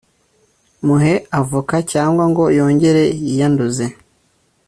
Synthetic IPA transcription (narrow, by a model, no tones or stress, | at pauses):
muɦe̞avukacaːŋɡwaŋɡo̞jo̞ːɲɟe̞ɾe̞ijanduze